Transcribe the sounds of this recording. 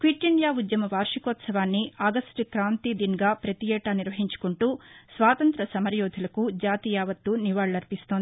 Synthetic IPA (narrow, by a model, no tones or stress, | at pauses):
kʋiʈːiɳɖjaːud̪jɐmɐʋaːɾʂikɔːt̪sɐʋaːnːiɐɡɐsʈkɾaːnt̪iːd̪inɡaːpɾɐt̪ijɛːʈaːniɾʋɐɦiɲt͡ʃu̥kuɳʈuːsʋaːt̪ɐnt̪ɾɐsɐmɐɾjɔːd̪ʱulɐkud͡ʒaːt̪ijaːʋɐt̪ːuniʋaːɭɐɾipist̪oːnd̪i